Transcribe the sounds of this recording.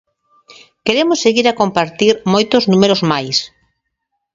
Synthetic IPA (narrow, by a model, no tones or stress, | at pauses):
keɾemʊsːeɣiɾakompaɾt̪iɾmojt̪ʊznũmeɾozmajs